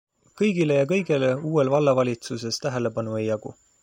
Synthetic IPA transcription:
kɤjɡile̞jɑk̬ɤ̞jɡ̥e̞leuːwe̞lvɑlːɑvɑlʲit̪suse̞st̪æɦe̞le̞bɑnue̞jɑɡ̥ṵ

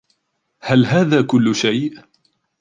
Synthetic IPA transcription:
halɦaːðaːkʊlːʊʃajʔ

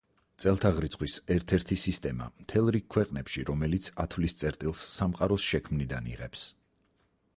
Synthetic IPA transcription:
t̪sʼɛlˠt̪ʰaʁɾit̪sʰχwisɛɾt̪ʰɛɾt̪ʰisist̪ʼɛma̰mt̪ʰɛlˠɾik̚kʰwɛqʼnɛpʃiɾɔmɛlit̪sʰat̪ʰvlist̪sʼɛɾt̪ʼilˠsːamqʼaɾɔsʃɛkʰmnid̪anḭʁɛps

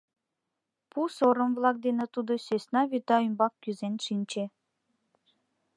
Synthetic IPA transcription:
pusoɾɤ̆mvlˠɑk̚d̪enĕt̪ud̪ɤ̆sʲøsʲnɑβʲyt̪ɑymbɑkːʲyzenʂinʲt͡ɕĕ

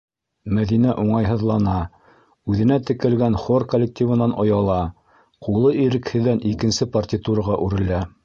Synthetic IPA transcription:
mæðinæʔuɴɑjɦɤ̆ðlˠɑnɑ | ʉðɘ̆næt̪ɘ̆kɘ̆lɡænχorkolʲːek̚tʲivɤ̆nɑnʔŏjɑlˠɑ | qulˠɤʔiɾɘ̆khɘ̆ðːænikɘ̆nsɘpɐrtʲit̪uɾɤʁɑʔʉɾɘ̆læ

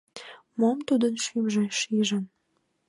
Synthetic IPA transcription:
momt̪ud̪ənʃymʒeʃiʒən

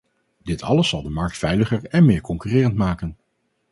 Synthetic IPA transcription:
d̥ɪtʰɑ̰ləsːɑlˠdəmɑɹk̚tfɛjləχəɹɛnmɪːɹkɔŋkyːrɪːrəntmaːkən

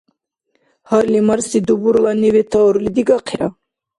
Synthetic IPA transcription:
haɾlimaɾsid̪ubuɾlanɛvɛt̪ʰaɔɾulid̪iɡaqʰɛɾa

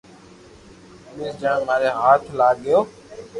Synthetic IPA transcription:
ɗuːsd͡ʒãːmaːɾeːɦaːt̪ʰlaːɠɪjoː

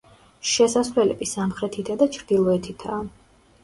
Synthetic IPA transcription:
ʃɛsasvlɛlɛ̰bisamχɾɛt̪ʰit̪ʰad̪at͡ʃʰɾd̪ilˠɔɛt̪ʰit̪ʰaː

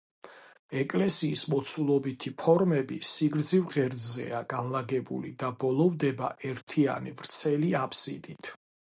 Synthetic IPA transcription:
ɛkʼlɛsiːsmɔt̪sʰulˠɔbit̪ʰipʰɔɾmɛbisiɡɾd̪zivʁɛɾzɛ̰aɡanlaɡɛbṵlḭd̪abɔlˠɔvd̪ɛba̰ʔɛɾt̪ʰia̰nivɾt̪sʰɛliapʰʼsḭd̪it̪ʰ

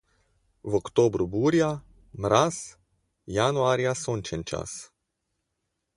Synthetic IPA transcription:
vokt̪oːbɾubuːɾja | mɾas | januaːɾjasonʲt͡ʃɛnt͡ʃa̰s

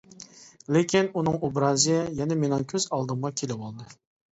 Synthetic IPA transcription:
lekʲinunɨŋobɾɑːzjɛjɛnɛmenɪŋkʲʰøz̥ɑlˠd̪ɨmʁɑkʲʰelɪwolˠd̪ɨ

